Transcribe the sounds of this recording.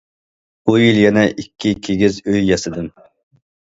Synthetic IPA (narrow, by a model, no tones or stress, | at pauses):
ujiljɛnɛʔikʲʰːikʲʰeɡʲizøjjɑsɨd̪ɨm